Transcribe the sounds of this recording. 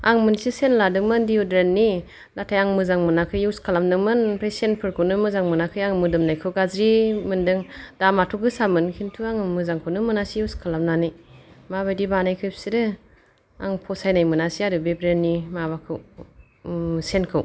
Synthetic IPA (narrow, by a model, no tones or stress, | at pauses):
aŋmɯnsisenladɯŋmɯndiudɾenːi | datʰajaŋmɯzaŋmɯnakʰɯjɯwskʰalamnɯŋmɯnpʰɾejsenpʰɯɾkʰɯwnɯmɯzaŋmɯnakʰɯjaŋmɯdɯmnajkʰɯwɡazɾimɯndɯŋd̥amatʰɔɡɯsamɯnkʰintʰuaŋmɯzaŋkʰɯwnɯmɯnasijiwskʰalamnanɯjmaβajdibanajkʰɯjpsidɯ | aŋpʰɔsajnajmɯnasiadɯbebɾenːimaβakʰɯw | senkʰɯw